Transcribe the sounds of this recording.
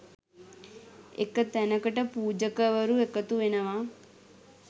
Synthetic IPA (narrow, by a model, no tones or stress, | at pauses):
ḛkət̪ænəkəʈəpuːd͡ʒəkəʋəɾuekət̪uʋenəʋa